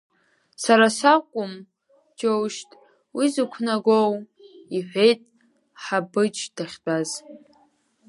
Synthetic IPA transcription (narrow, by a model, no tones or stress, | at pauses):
saɾasakʷʼʊm | d͡ʒowʃtʼ | wizɨkʷʰnaɡʷow | iħʷᶣe̞jtʼ | ħabɨt͡ʃʰʼdʰaχʲbʼaz